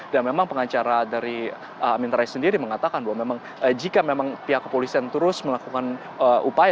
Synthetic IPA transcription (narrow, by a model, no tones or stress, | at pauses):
danmemaŋpəŋat͡ʃaɾadaɾi | əamint̪ɾaisəndiɾiməŋat̪akanbaɦwamemaŋ | əd͡ʒikamemaŋpiɦakːəpolisiant̪əɾʊsməlakukan | əʔupaj